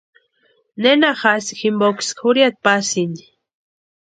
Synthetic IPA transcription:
nenaxasi̥ximboki̥skʰuɾjat̪̚pasini̥

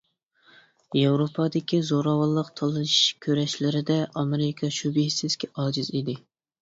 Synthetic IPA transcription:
jɑwɾopʰɑd̪ɪkʲizoɾɑwɑlˠːəqt̪ʰɑlˠɨʃkʲʰøɾɛʃlɪɾɪd̪ɛʔɑmeɾɪkʰɑʃubɪhisɪzkʲʰɛʔɑːd͡ʒɪzid̪ɪ

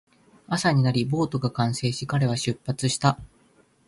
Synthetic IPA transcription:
asaɲ̟inaɾʲibo̞ːt̪o̞ɡakãɰ̃se̞ːɕikaɾe̞β̞aɕɨpːat͡sɨɕi̥t̪a

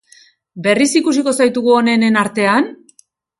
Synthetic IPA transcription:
be̞risikus̬iko̞sajt̪uɣuo̞ne̞nenaɾt̪e̞an

